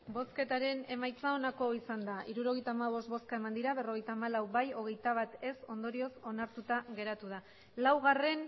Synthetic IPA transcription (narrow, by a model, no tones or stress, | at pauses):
bo̞ske̞t̪aɾe̞ne̞majt͡sao̞nako̞isand̪aʔiɾuɾo̞ɣ̞ejt̪aːmaβ̞o̞st̪βo̞skae̞mand̪iɾaβe̞ro̞ɣ̞e̞jt̪aːmalawbajo̞ɣ̞e̞jt̪aβ̞at̪e̞so̞nd̪o̞ɾio̞so̞naɾt̪ut̪aɣe̞ɾat̪uð̞a | lawɣare̞n